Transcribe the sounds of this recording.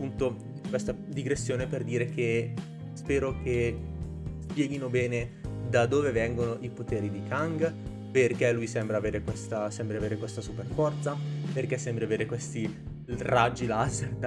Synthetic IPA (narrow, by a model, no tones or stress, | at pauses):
pːunt̪o | kwest̪ad̪iɡɾesːjoːneperd̪iːɾeke | spɛːɾoke | spjɛːɡinobɛːned̪ad̪oːvevɛŋɡonoʔipot̪eːɾid̪ikʰaŋɡ | perkelːujsɛmbɾaːveːɾekwest̪asɛmbɾeaveːɾekwest̪asuperfɔrt̪saperkɛsːɛmbɾeaveːɾekwest̪i | rad͡ʒːilazed̪